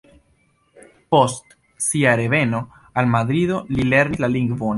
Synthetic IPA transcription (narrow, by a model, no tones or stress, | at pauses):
po̞st | siaɾe̞ve̞no̞ | almad̪ɾido̞lile̞ɾnislaliŋɡvon